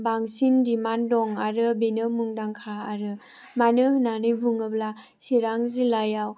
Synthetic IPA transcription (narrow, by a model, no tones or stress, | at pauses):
baŋsindimandɔŋaɾɯbenɯmuŋdaŋkʰaːɾɯ | manɯhɯnanɯjbuŋɯbla | siɾaŋzilajaw